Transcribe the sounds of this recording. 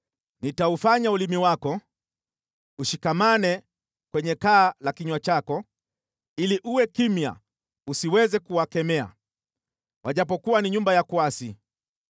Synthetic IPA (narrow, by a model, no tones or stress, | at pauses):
nitaufaɲaulimiwakɔ | uʃikamanɛ | kwɛɲɛkaːlakiɲwat͡ʃakɔ | iliʔuwɛkimja̰ | usiwɛzɛkuwakɛmɛa̰ | wʔaʄap̬ɔkuwaniɲumbajakuasi